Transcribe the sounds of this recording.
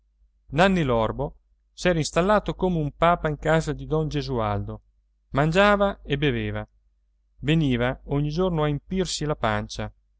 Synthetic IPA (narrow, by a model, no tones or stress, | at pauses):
nanːilɔrbo | sɛːɾainst̪alːaːt̪okomeumpaːpaiŋkaːzad̪id̪ɔnd͡ʒezuald̪o | mand͡ʒaːvaebeveːva | veniːvaoɲːid͡ʒornoaimpirsilapant͡ʃa